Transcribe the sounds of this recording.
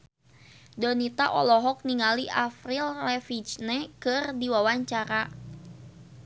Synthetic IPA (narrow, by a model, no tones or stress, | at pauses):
dɔnit̪aʔɔlɔɦɔk̚niŋaliʔafrilrɛfit͡ʃnɛkɨrdiwawaɲt͡ʃaɾa